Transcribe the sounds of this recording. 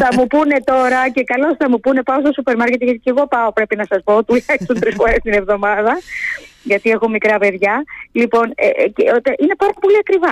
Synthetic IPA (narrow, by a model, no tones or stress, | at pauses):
θɐmupune̞t̪o̞ɾɐce̞kɐlo̞sθɐmupune̞pɐost̪o̞supe̞ɾmɐɾce̞t̪ʝɐt̪ice̞ɣo̞pɐo̞pɾe̞pinɐsɐspo̞ot̪iulɐksunt̪ɾisfo̞ɾe̞st̪ine̞vðo̞mɐðɐ | ʝɐt̪ie̞xo̞mikɾɐpe̞ðʝɐlipo̞nḛceot̪eʔine̞pɐɾɐpo̞liɐkɾivɐ